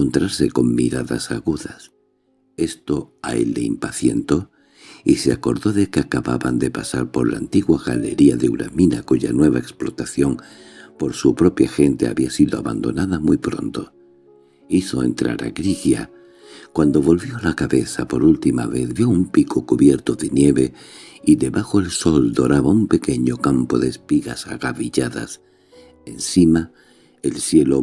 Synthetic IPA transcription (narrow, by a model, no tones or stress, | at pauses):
ont̪ɾaɾse̞ko̞mmiɾaða̰saɣuðas | e̞st̪o̞aḛlːe̞impaθje̞nt̪o̞ | iseako̞ɾðo̞ðe̞keakaβaβand̪e̞pasaɾpo̞ɾlaːnt̪iɣwaɣale̞ɾiaðeuɾa̰minakuʝanwe̞βaeksplo̞t̪aθjo̞ŋ | po̞ɾsupɾo̞pjaxe̞nt̪ea̰βiasiðo̞aβa̰nd̪o̞̰naðamujpɾo̞nt̪o̞ | iθo̞e̞̰nt̪ɾa̰ɾa̰ɣɾiɣja̰ | kwand̪o̞βo̞lβjo̞lakaβe̞θapo̞ɾult̪ima̰βe̞θbjo̞umpikokuβje̞ɾt̪oðe̞nje̞βe̞iðe̞βaxo̞e̞lso̞ld̪o̞ɾaβaumpe̞ke̞ɲo̞kampo̞ðe̞ːspiɣasaɣaβiʝaða̰s | e̞nsima | elsje̞lo̞